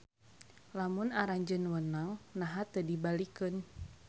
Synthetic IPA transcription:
lamunaɾaɲd͡ʒənwənaŋnaɦat̪ədibalikɨn

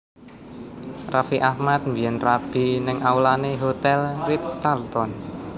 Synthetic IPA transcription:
rafiʔahmat̪̚mbiɛnrab̥i̤nɪŋʔawlaneɦot̪ɛlrit̪st͡ʃalt̪ɔn

